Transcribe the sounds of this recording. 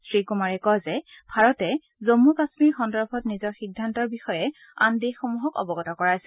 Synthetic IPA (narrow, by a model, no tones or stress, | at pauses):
sɹikumaɹɛkɔjzɛ | bʱaɹɔtɛ | zomːukasmiɹxɔndɔɹbʰʱɔtnizɔɹxidʱːantɔɹbixɔjɛ | andexomuɦɔkɔ̰bɔɡɔtɔkɔɹajsɛ